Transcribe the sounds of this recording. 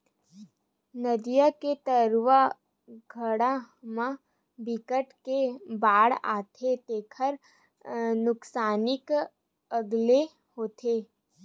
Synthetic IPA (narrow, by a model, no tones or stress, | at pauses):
nəd̪ijaket̪əɾwa | ɡʱəɽa | mã | bɪkəʈkebaːɽa̰ːt̪ʰet̪eːkʰəɾ | nʊksaːnɪk | əɡle | hoːt̪ʰeː